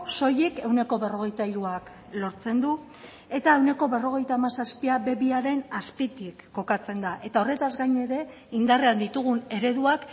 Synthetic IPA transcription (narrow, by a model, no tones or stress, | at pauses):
so̞jike̞wne̞ko̞βe̞ro̞ɣ̞e̞jt̪aiɾuak | lo̞ɾt͡se̞nd̪u | e̞t̪aewne̞ko̞βe̞ro̞ɣ̞e̞jt̪aːmasaspiaβe̞βiaɾe̞naspit̪ikːo̞kat͡se̞nd̪aʔe̞t̪ao̞re̞t̪azɡajne̞ɾe̞ | ind̪areand̪it̪uɣ̞une̞ɾe̞ðuak